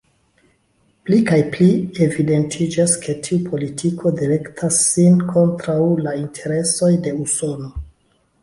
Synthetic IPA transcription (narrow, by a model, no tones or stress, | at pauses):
plikajplie̞vide̞ntʰid͡ʒaskʰe̞tʰiupʰo̞litʰikʰo̞diɾe̞ktʰasːinkʰo̞ntɾawlaintʰe̞ɾe̞so̞jde̞uso̞no̞